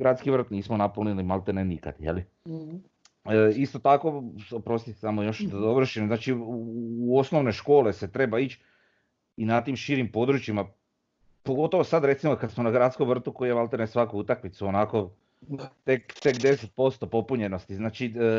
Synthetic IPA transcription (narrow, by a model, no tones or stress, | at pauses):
ɡɾat̪skiʋr̩t̪niːsmonapolnilimalˠt̪enenika̰d̪̥jḛli | ist̪o̞t̪ako̞opɾo̞st̪it̪samojoʃd̪ad̪oʋr̩ʃimznaːt͡ʃiː | o̞sno̞ʋne̞ʃko̞ːle̞se̞t̪ɾe̞bait͡ʃ | inat̪imʃiɾimpo̞d̪ɾut͡ʃima | poɡo̞t̪o̞ʋosad̪ɾe̞t̪simokad̪smonaɡɾad̪t̪skomʋr̩t̪ukoijemalt̪enesʋakout̪akmit̪suonako̞ | t̪ekt̪e̞kd̪e̞set̪̚po̞st̪o̞po̞puɲe̞no̞st̪iznaːt͡ʃi